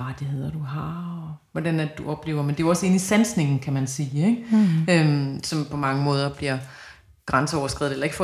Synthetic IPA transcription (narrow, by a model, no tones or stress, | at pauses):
ɑ̈d̥eɦeð̰ˠɐd̥uɦɑʋɒd̥ænæd̥uɒ̽b̥le̝̰ːʊɐmend̥e̝ɒ̽səe̝nisænsne̝ŋn̩kʰæmænsiːeɡ̥ømsɒ̽mpʰɒ̽mɑ̈ŋəmɔ̽ːð̞ˠɐb̥liɐ | ɡ̥ʁɑnsəɒʊɐsɡ̥ḭð̩ˠelɐe̝ɡ̥f